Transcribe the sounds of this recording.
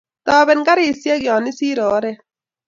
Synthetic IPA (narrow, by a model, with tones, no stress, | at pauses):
t̪ɔː˨bɛ˨nka˦ɾi˨sje˦kjɔː˨nɪ˦siː˦ɾɔː˨˦ɾɛ˦